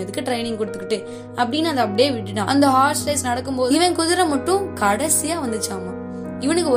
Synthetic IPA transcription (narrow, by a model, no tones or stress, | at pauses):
ɛðɯkːɯʈɾɐɪnɪ̃ŋɡkɔɽɯt̪ːɯkːɪʈːɯ | ɐpːɐɽɪnːaɐðɐ̃ɐp̬ːɐɽɪjeːʋɪʈːɯʈːãːʔɐ̰nd̪ɐɦaːslɐɪsnɐɽɐkːɯmpoːðʋɐ̃kʊðɪɾɐ̃mɐʈːʊ̃kɐɽɐsɪjaːʋɐnd̪ɯt͡ʃːaːmaː | ɪʋɐnɯkːɯɔ